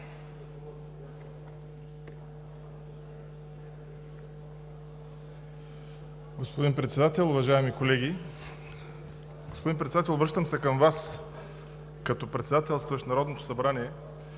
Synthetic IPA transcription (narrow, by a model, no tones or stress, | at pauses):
ɡospod̪inpɾɛt̪sɛd̪at̪ɛlˠʊvɐʒaɛmikolɛɡʲi | ɡospod̪inpɾɛt̪sd̪at̪ɛlˠbɾɤʃt̪əmsɛkəmvas | kɐt̪ɔpɾɛt̪sɛd̪at̪ɛlˠst̪vəʃnɐɾɔd̪not̪o̥sɐbɾaniɛ